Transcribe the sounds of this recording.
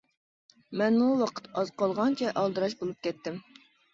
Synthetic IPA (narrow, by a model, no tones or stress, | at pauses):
mɛnmuwɑqʰə̥t̪ɑz̥qɑlˠʁɑnt͡ʃʰɛʔɑlˠd̪ɨɾɑʃbolˠup̚kʲɛt̪ːɪm